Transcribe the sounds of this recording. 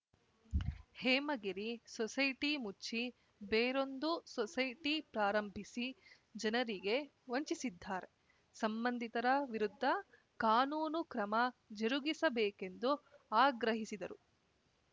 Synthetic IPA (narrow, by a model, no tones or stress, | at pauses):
heːmɐɡiɾisɔsɐjʈimut͡ʃːi | beːɾo̞nd̪usɔsɐjʈipɾaːɾɐmbʱisi | d͡ʒɐnɐɾiɡe̞ | ʋoɲt͡ʃisid̪ʱːaːɾe̞ | sɐmbɐnd̪ʱit̪ɐɾɐʋiɾud̪ʱːɐ | kaːnuːnukɾɐmɐd͡ʒeɾuɡisɐbɛːke̞nd̪uaːɡɾɐɦisid̪ɐɾu